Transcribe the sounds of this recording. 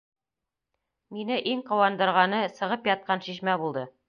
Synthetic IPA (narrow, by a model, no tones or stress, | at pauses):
minɘʔiŋqŏwɑnd̪ɤ̆ɾʁɑnɤsɤ̆ʁɤpjɑt̪̚qɑnɕiʃmæbulˠd̪ɤ